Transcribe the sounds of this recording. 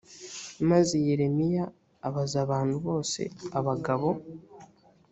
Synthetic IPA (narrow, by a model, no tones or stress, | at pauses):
mazejeɾe̞mijaː | βazaβaːn̥huβo̞ːse̞̰aβaɡaβo̞